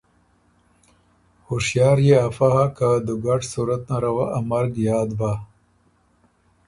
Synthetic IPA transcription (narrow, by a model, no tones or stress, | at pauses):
huʂjɑːɾjeafaɦakad̪uɡaʈsuɾɐt̪̚naɾawaʔamɐɾɡjɑːd̪ba